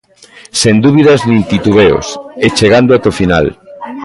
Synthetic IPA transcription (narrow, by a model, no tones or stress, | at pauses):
send̪uβiðɐznĩnt̪it̪uβeo̰set͡ʃeɣand̪oat̪ofina̰l